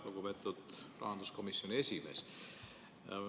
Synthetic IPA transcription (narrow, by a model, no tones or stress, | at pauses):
loɡupe̞t̪ːˑud̪rɑ̰hɑnd̪̥usko̞misːjonʲie̞sʲimḛs